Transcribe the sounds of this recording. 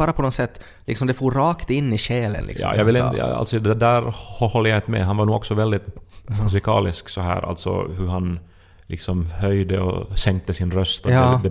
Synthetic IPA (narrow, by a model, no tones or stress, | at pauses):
bɑːɾapʰɔnɔsɛt̪ː | lɪ̰ksɔmd̪ɛfoːɾːɑːkt̪ɪnːɪɕɛːlə̰nlɪ̰kjɑ̰ːjʔɑ̰ɡvɪlɪj̰a̰lt̪sɔd̪d̪æːɾhɔhɔlːɾjaɪnt̪əmɛ̰ɦanvaɾɳnuːɡɔksɔvɛld̪ɪt̪mʉs̬ɪkʰɑːlɪsksɔɦæ̰ːɾʔa̰lt̪sɔ̰hɵhan | lɪksɔmhœjd̪əɔ̰sɛŋk̚t̪əsɪnɾœst̪ɔd̪ɛ